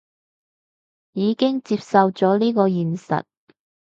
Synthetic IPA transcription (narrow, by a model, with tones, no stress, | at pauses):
jiː˨˧kɪ˥ŋt͡siː˧p̚sɐ˧wt͡sɔː˨˥liː˥kɔː˧jiː˨˩nsɐ̰˨t̚